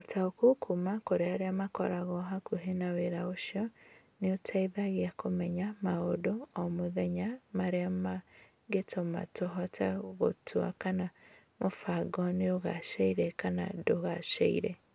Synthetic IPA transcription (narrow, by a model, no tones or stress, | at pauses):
otʰaokokʰumakoɾeaɾeamakɔ̰ɾaɣɔɦakuɦenaweɾaoʃjɔ | neotʰaiðaɣeakomɛɲamaɣodoɔmoðɛɲamaɾeama | ɡetʰoma̰toɦɔtʰɛɣo̰tʰwa̰kana | mofaɡɔneoɣaʃɛiɾɛkana̰doɣaʃɛ̰ḭɾɛ